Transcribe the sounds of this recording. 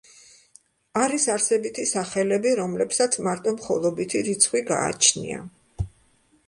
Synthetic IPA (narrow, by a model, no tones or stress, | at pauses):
aɾisaɾsɛbit̪ʰisaχɛlɛbiɾɔmlɛpsat̪sʰmaɾt̪ʼɔmχɔ̰lˠɔbit̪ʰiɾit̪sʰχwiɡa̰ːt͡ʃʰnḭa̰